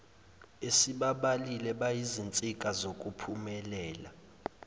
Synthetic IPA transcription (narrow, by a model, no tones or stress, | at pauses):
esiɓaɓalilɛɓajizint͡sʼikʼazokʼupʰumɛlɛːla